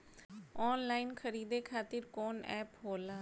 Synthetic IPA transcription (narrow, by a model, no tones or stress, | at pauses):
ɔːnlaːinkʰəɾiːd̪eːkʰaːt̪ɪɾkoːnɛ̰ːpɦoːlaː